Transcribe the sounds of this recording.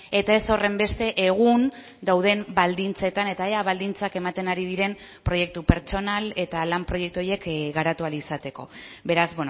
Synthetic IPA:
e̞t̪ae̞so̞re̞mbe̞st̪e̞ʔeɣ̞un | d̪awð̞e̞mbald̪int͡se̞t̪ane̞t̪aeaβ̞ald̪int͡sake̞mat̪e̞naɾið̞iɾe̞m | pɾo̞je̞k̚t̪upe̞ɾt͡ʃo̞nale̞t̪alampɾo̞je̞kt̪uo̞je̞kɡaɾat̪ualisat̪e̞ko̞̰be̞ɾazbeno

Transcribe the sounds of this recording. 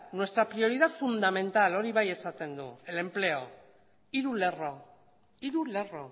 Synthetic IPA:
nwe̞st̪ɾapɾio̞ɾið̞afund̪amẽ̞nt̪alo̞ɾiβaje̞sat̪e̞nd̪ṵe̞le̞mple̞o̞ | iɾule̞ro | iɾule̞ro

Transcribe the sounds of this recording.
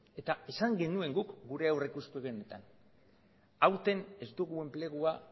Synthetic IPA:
e̞t̪ae̞saŋɡe̞nue̞ŋɡukɡuɾe̞awrekuspeɣeone̞t̪a̰n | awɾt̪e̞ne̞st̪uɣue̞mple̞ɣ̞ua

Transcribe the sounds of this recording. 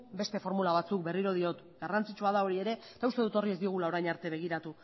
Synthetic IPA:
be̞st̪e̞fo̞ɾmulaβ̞at͡suk̚be̞riɾoð̞io̞t̪ | ɡarant͡sit͡ʃuaðao̞ɾie̞ɾe̞ | t̪aust̪e̞ðut̪o̞riezd̪io̞ɣ̞ulao̞ɾajɲaɾt̪e̞β̞e̞ɣ̞iɾat̪u

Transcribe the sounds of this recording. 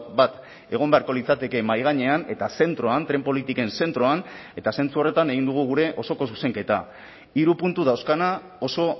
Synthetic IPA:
bat̪ | e̞ɣ̞o̞mbeaɾko̞lit͡sat̪e̞ke̞majɣ̞aɲe̞ane̞t̪ase̞nt̪ɾo̞ant̪ɾe̞mpo̞lit̪ike̞nse̞nt̪ɾo̞ane̞t̪ase̞nt͡suo̞re̞t̪ane̞ɣind̪uɣ̞uɣ̞uɾe̞ʔo̞so̞ko̞s̬use̞ŋke̞t̪a | iɾupunt̪uðawskana | o̞so̞

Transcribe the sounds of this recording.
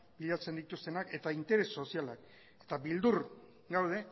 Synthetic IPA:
b̥iʎat͡se̞nd̪it̪ust̪e̞nake̞t̪aint̪e̞ɾe̞sːo̞sialak | et̪abild̪uɾ | ɡawð̞e̞

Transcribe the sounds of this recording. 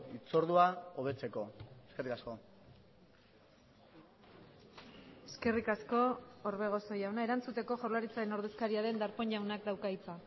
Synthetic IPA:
it͡so̞ɾðuaoβ̞e̞t͡se̞ko̞eskerikasko̞ | e̞ske̞rikasko̞ːɾβe̞ɣ̞o̞so̞jawnae̞ɾant͡sut̪e̞ko̞ʝoɾlaɾit͡saɾe̞no̞ɾð̞e̞skaɾiaɾe̞nd̪aɾpo̞ɲʝawnakd̪awkajt͡sa

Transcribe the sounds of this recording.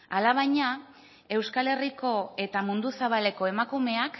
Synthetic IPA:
alaβ̞ajɲa | e̞wskale̞riko̞e̞t̪amund̪usaβale̞ko̞e̞makume̞ak

